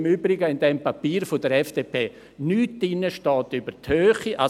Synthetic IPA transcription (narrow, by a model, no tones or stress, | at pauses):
myːbɾɪɡəɪndɛmpapiːɾfodəɾɛfd̥eːpʰeː | nyːtdɪnəʃtɔːtybəɾthøːχiʔa